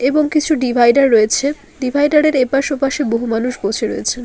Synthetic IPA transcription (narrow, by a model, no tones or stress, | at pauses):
eboŋkit͡ɕʰuɖibʱajɖaɾːoet͡ɕʰe | ɖibʱajɖaɾeɾepaʃopaʃeboɦumanuʃbot͡ɕʰeɾo̰et͡ɕʰen